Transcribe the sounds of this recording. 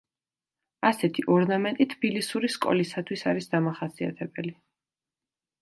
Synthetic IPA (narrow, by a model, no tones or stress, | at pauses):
asɛt̪ʰiʔɔɾnamɛnt̪ʼit̪ʰbilisuɾiskʼɔ̰lisat̪ʰwisaɾisd̪amaχasia̰t̪ʰɛbɛli